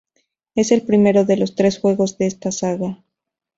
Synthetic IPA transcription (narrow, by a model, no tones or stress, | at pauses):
e̞se̞lpɾime̞ɾo̞ðe̞lo̞st̪ɾe̞sxwe̞ɣo̞zðeest̪asaɣa